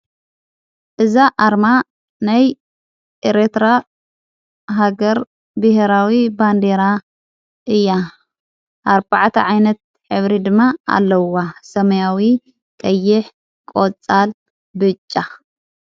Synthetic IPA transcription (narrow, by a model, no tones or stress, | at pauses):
ʔɨzaʔaɾma | naj | ʔeɾet̪ɾa | ɦaɡɐɾ | bɨheɾawiband̪eɾa | ʔɨjːa | ʔaɾbaʕt̪ʰɐʕajnɐt̪̚ | ħɨβɾid̪ɨmːaa̰lːɐwasɐmɐjawi | kʼɐjːɪħ | kʼot͡sʼal | bɨt͡ʃʼːa